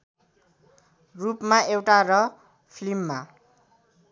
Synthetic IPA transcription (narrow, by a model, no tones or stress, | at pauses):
rupmaʔewʈarʌ | pʰlimːa